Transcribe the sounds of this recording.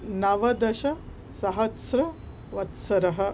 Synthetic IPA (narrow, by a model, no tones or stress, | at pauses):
naʋɐd̪ɐɕɐ | sɐɦɐtsɾɐ | ʋɐt̪sɐɾɐɦə̆